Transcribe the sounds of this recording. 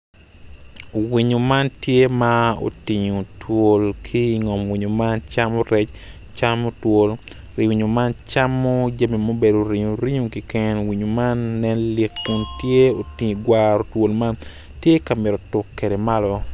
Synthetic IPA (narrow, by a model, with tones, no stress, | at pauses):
wi˨ɲo˨ma˦ntje˦mao̰˨ti˨ɲo˨two˨lkʰi˦ŋɔ˨mwi˨ɲo˨ma˦nt͡ʃamoɾɛ˦t͡ʃ | t͡ʃamo˦two˦l | ɾi˨wi˨ɲo˨ma˦nt͡ʃa˦mːo˦d͡ʒa˦mi˨mo˦be˨do˨ɾi˨ɲo˨ɾi˦ɲu˨kɪ˨kɛ˦nwi˨ɲo˨ma˦nːɛ˦nlɪ˦kːʊ˦ntje˦o˨tiɡwaɾo˨two˨lma˦n | tje˦ka˨mɪ˨ɾo˨tʊ˨kːe˨de˨ma˦lɔ˦